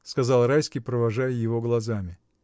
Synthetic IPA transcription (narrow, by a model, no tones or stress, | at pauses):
skɐzɑlˠɾajskʲijpɾəvɐʐajəjɪvo̞ɡlˠɐzamʲɪ